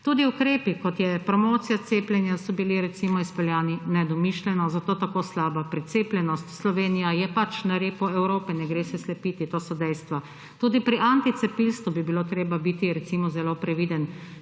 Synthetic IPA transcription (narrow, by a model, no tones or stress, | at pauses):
t̪uːd̪iukɾeːpikɔt̪jɛpɾɔmoːt̪sijat̪seːplʲɛnjasɔbiliɾɛt̪simɔispɛljaːninɛd̪ɔmiʃlʲɛnɔzat̪oːt̪akoːslaːbapɾit̪seːplʲɛnɔst̪slɔʋeːnijajɛpat͡ʃnaɾeːpɔɛwɾoːpɛnɛɡɾeːsɛslɛpiːt̪it̪oːsɔd̪ɛjst̪ʋa | t̪uːd̪ipɾiʔant̪it̪sɛpilst̪ubibiloːt̪ɾeːbabit̪iɾɛt̪simɔzɛloːpɾɛʋiːd̪ən